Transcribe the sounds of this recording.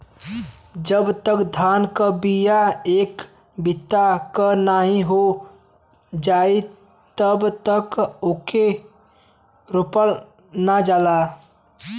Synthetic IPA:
d͡ʒəbt̪əkd̪ʱaːnkəbijaeːk | bɪt̪akənaɦĩɦo | d͡ʒaːi | t̪əbt̪əkoke | ɾʊpəl | nad͡ʒaːla

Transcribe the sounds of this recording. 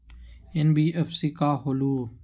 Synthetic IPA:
ɪnbʱiːʔəfsikaːɦoluː

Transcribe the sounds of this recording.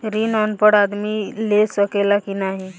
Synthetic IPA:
ɾinɔnpəɽaːd̪milesəkelakinaɦi

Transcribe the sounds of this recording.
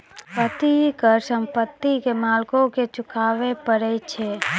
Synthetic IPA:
pət̪ikəɾsə̃mpət̪ːikemaːlkõket͡ʃʊkʰaːʋepəɾɛt͡ʃʰe

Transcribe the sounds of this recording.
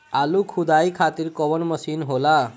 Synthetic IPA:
alukʰud̪aikʰat̪iːɾkɔʋəɳməsiːnɦola

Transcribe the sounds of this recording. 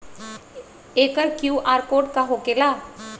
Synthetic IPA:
eːkəɾkjuːʔaːɾkoːʈkaɦokela

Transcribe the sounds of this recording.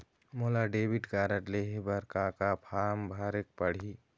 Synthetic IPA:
molaɖeːbiʈkaːɾəʈleɦebəɾkaːkapʰaːmbʱaːɾek̚pəɽ̤i

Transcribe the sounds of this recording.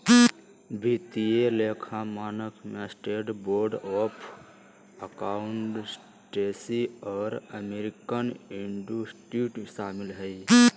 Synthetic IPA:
bʱit̪ieleːkʰamaːnəkʰmesʈeːɖboːɾɖɔːpʰ | əkaːʊɳʈs | ʈeːsiɔːɾəmeɾɪkənɪɳɖusʈɾiʈʃaːmɪlɦəi

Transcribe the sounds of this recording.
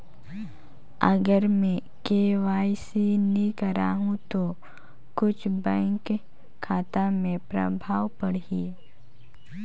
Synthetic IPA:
ə̰ɡəɾmẽ | keʋaːjsinikəɾaːɦũt̪o | kʊt͡ʃʰbɛ̃ːŋkʰː | aːt̪amẽpɾə̰bʱaːwpəɽi

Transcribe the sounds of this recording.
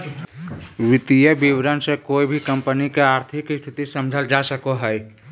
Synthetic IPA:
ʋɪt̪ijəbiwɾənsekoːibʱikəmpənikeaːɾt̪ʰɪkst̪ʰɪt̪isəmd͡ʒʱəld͡ʒasəkoɦɛj

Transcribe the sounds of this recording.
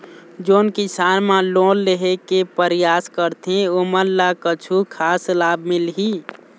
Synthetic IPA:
d͡ʒoːnkɪsaːnmãloːlːeɦekepəɾjaːskəɾt̪ẽoməɾlakət͡ʃʰukʰaːslaːbmɪlɦi

